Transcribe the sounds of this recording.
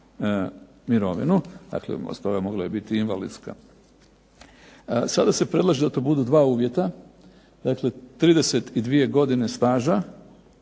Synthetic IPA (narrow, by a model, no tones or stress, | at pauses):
miɾo̞ʋḭnud̪̥a̰klḛo̰st̪o̞ɡamo̞ɡlaibit̪iinʋalḭd̪ska̰ | sad̪ase̞pɾe̞d̪lˠaʒed̪at̪o̞ːbud̪ud̪ʋaːuːʋje̞t̪a | d̪akle̞t̪ɾiːd̪e̞se̞t̪id̪ʋije̞ɡo̞d̪ine̞st̪aːʒa